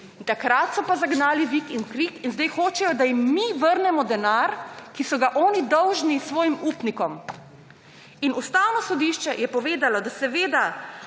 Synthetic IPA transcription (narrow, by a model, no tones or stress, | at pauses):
t̪akɾat̪sɔpazaɡnaːliʋikinkɾikinzd̪ɛjxoːt͡ʃɛjɔd̪ajimːiʋəɾnɛmɔd̪ɛnaɾkisɔɡaʔɔːnid̪ɔwʒnisʋɔːjimuːpnikɔm | inust̪aːwnɔsɔd̪iʃt͡ʃɛjɛpɔʋeːd̪alɔd̪asɛʋeːd̪a